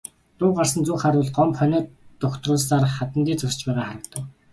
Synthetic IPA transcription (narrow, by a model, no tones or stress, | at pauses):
t̪ʊːɢar̥sə̆nt͡suːχaɾʊːɮɢɔmpχœnœːɔkt̪rʊːɮsaːrχat̪ə̆nt̪iːt͡sʰɵrt͡ɕpæːʁaːχaɾə̆kt̪ə̆k